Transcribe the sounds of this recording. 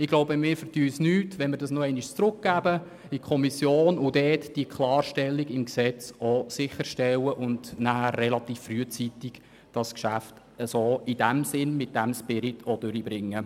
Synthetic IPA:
ɪɡloʊbəmɪːɾfərtyːsnyːtʋɛnmɪɾdɑsnɔɛɪniʃt͡sɾʊk̚ɡ̥æːbə | ikʰɔmisjoːnʊd̥ɛːtd̥iəkʰlɑːrʃtɛlːiɡɪmksɛt͡sɔsɪχəɾʃtɛwəʔʊndnæhærːɛlɑt̪iːfːryət͡sit̪iɡ̥ | d̥ɑskʃæft | əsoːid̥æmsɪnmɪt̚d̥æmspɪɾɪtʰɔd̥øɾibɾɪŋːə

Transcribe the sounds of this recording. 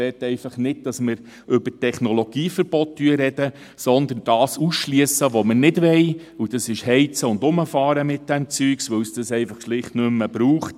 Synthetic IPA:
ɛt̪ːɛɪfɑχnɪd̚d̥ɑsmɪɾ | ʔʏbətɛχnɔlɔɡ̥iːfəɾb̥ɔttyəɾɛd̥ə | sɔnd̪ənd̥ɑːsusʃliəsəʋomənɪdʋɛj | ud̥ɑsɪʃhɛɪt͡səʊnd̪ʊməfɑːɾəmɪt̚d̥ɛmt͡syːksʋɵwsd̥əsɛɪfɑχʃlɪχtnɵmːəb̥ɾuːχt

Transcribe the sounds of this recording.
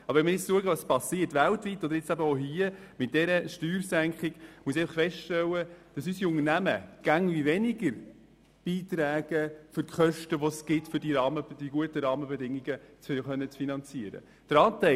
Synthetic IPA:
ɑbəʋɛnməɾjɪt͡sluəɡəʋɑspɑsiːəɾtʋæltvitːɔd̪əɾjɪt͡sæbəoɦiəmɪt̚d̥ɛɾəʃtyːɾsæŋkχɪɡ̥muəs̬ɛɪfəχfɛʃtɛlːəd̥ɑsysiʊŋənæməɡ̥æŋʋivɛnɪɡəɾ | b̥iːtɾæːɡ̥əfʏɾkχœʃtəʋɔsɡ̥ɪtfʏɾdiɾɑːməd̥iɡuətəɾɑːməbɛdɪŋːiɡət͡sχœnːət͡sfinɑnt͡siəɾə̰ | d̥əɾɑːtæ

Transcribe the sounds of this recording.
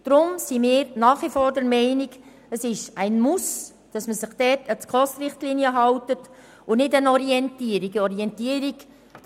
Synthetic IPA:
d̥ɾʊmsimɪːɾnɑːχʋifɔːɾdɛɾmɛɪniɡ | əsɪʃæɪnmus | d̥ɑsməsɪχd̥ɛːtət͡skχɔstɾɪχtliːniəɦɑwtət | ʊnɪdənɔɾiɛntiəɾiɡəɔɾiɛntiːəɾik

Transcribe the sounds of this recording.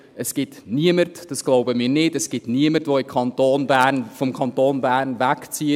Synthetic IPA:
əsɡ̥ɪtniəmərtd̥ɑsɡ̥loʊbəmiːɾnɪtɛsɡ̥ɪtniəmərtʋoɪmkʰɑnt̪oːnbæːrnfɔmkʰɑntoːnbæːrnʋækt͡siə

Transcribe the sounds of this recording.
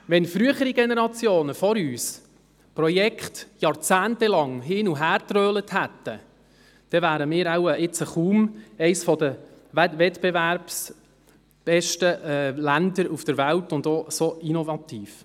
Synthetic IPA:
ʋɛnfɾyəχəɾiɡɛnɛɾɑt͡sjoːnəfɔɾyːs | pɾɔjɛkχtjɑːɾt͡sæːntɛlɑŋɦɪːnuɦæːɾt̪ɾøːləthæt̪ːə | d̪̥ɛvæːɾəmɪːɾawəɪt͡səχuːmɛɪsfɔdəʋɛtb̥ɛvæɾps | b̥ɛʃtəɛlændəɾufd̥əɾʋæltʊndosoinovɑt̪iːf

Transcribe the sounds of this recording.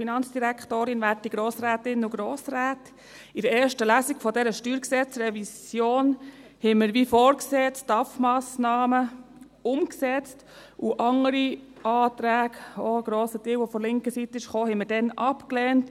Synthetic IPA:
finɑnt͡sd̥iɾækχtoːɾɪnʋæːrtiɡ̥ɾoːsɾæːtɪnːəuɡɾoːsɾæːt | ɪdəɛːɾʃtəlæːsiɡfɔdɛɾəʃtyːɾksɛt͡srɛvisjoːnhɛməɾʋiːfɔːɾkseːt͡sd̥ɑfmɑːsnɑːmə | ʊmksɛt͡st | ʔuʔɑŋəɾiɑːt̪ɾæːɡ̥oɡ̥ɾoːsətiːwʋɔfɔlɪŋkəsit̪ːəɪʃχoːhɛməɾdɛnʔɑpklɛːnt

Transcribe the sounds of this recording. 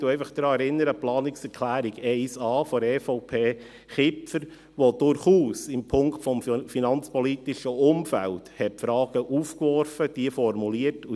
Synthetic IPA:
d̥uɛɪfəχd̪̥ɾɑːɛɾɪnːəɾəplɑːnɪksɛɾkʰlæːɾiɡɛɪsɑːfɔɾɛːfoʊpʰeː | χɪpfəɾ | ʋod̥ʊɾχuːsɪmpʰʊŋktfɔmfinɑnt͡spɔlit̪ɪʃəʊmfæ̰lthɛtfɾɑːɡ̥əʔuːfkʋɔɾfəd̥iəfɔɾmuliːətu

